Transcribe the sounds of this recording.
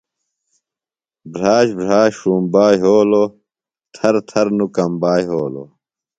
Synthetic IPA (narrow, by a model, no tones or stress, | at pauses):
bɾaːɕbɾaːɕʂuːmbaːjɦoːlo | t̪ʰɐɾt̪ʰɐɾnukɐmbaːjɦoːlo̰